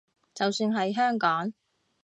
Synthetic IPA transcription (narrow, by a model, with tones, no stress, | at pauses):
t͡sɐ˨wsyː˧nɦɐ˨jɦœː˥ŋkɔː˨˥ŋ